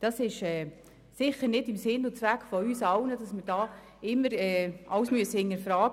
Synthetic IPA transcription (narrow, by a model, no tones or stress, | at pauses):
d̥ɑsɪʃɛː | sɪχəɾnɪdɪmsɪnʊt͡sʋækːfɔyːsɑwnəd̥ɑsməɾd̥ɑː | ɪmːəɾɛːʔɑwsmyəsəɪnəɾfɾɑːɡ